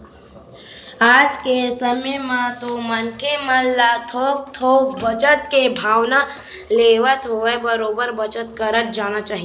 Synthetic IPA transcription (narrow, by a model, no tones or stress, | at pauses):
aːd͡ʒkesəməjmãt̪omənkeməlːat̪ʰoːk̚t̪ʰoːkbət͡ʃət̪kebʱaːʋna | leːʋət̪ɦoebəɾoːbəɾbət͡ʃət̪kəɾət̪̚d͡ʒaːnat͡ʃaːɦie